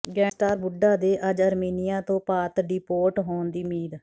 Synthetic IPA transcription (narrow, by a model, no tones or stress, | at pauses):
ɡɛ̃ːsʈaːɾbʊɖaːd̪eːʔəd͡ʒəɾmiːnɪjãːt̪õːpaːt̪ɖiːpoːʈɦoːnd̪iːmiːd̪